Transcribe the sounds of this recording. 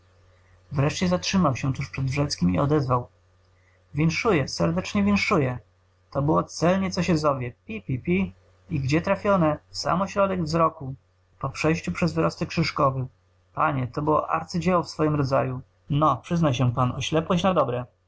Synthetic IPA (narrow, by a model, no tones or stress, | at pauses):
vɾɛʂt͡ɕɛzatʂɘmawɕɛt̪uʂpʂɛd̪vʐɛt̪skʲimiɔd̪ɛzvaw | vʲɛnʂujɛsɛɾd̪ɛt͡ʂɲɛvʲɛnʂujɛ | t̪ɔbɘwɔt̪sɛlɲɛt̪sɔɕɛzɔvʲjɛpʲipʲipʲi | iɡd͡ʑɛt̪ɾafʲjɔnɛsa̰mɔɕɾɔd̪ɛɡvzɾɔku | pɔpʂɛjɕt͡ɕupʂɛzvɘɾɔst̪ɛkʂɘʂkɔvɘ | pa̰ɲɛt̪ɔbɘwɔ̰ʔa̰ɾt̪sɘd͡ʑɛwɔfsfɔjimɾɔd̪za̰ju | nɔpʂɘznajɕɛ̃panɔɕlɛpwɔɕt͡ɕnad̪ɔbɾɛ